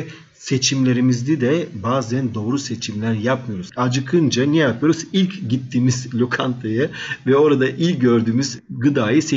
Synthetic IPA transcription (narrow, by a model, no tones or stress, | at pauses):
se̞t͡ʃʰimlʲe̞ɾimizd̪id̪ɛbaːzænd̪o̞ːɾuse̞t͡ʃʰimlʲæɾjapmɯjo̞ɾuzad͡ʒɯkʰɯnd͡ʒanɛjapʰɯjoɾuzilʲcɟit̪ʰːiːmizlʲokʰant̪ʰajɯvɛo̞ɾad̪aʔilʲɟø̞ɾd̪yːmyzɡɯd̪aːjɯse